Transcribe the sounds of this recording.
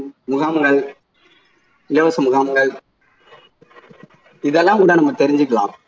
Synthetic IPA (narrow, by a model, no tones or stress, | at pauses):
mʊɣaːmɐŋɡɐɭ | ɪlɐʋɐsɐmʊɣaːmɐŋɡɐɭ | ɪðɛlːaːmkuːɽɐnɐmːɐt̪ɛɾɪɲd͡ʒɯkːɐɭa̰ːm